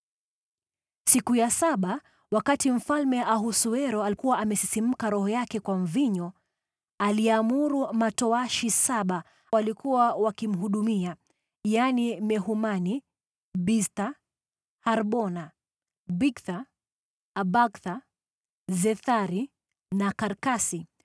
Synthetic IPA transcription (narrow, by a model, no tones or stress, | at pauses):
sikujasaɓa | wakatim̩falmɛʔaɦusuɛɾɔalikuwaʔamɛsisim̩kaɾɔhɔjakɛkwaɱ̩viɲɔ | aliamuɾumatɔaʃisaɓa | walikuwawakim̩ɦuɗumia | janimɛɦumani | bista | haɾɓɔna | bikθaː | baɡθa | zɛθaɾi | nakaɾkasi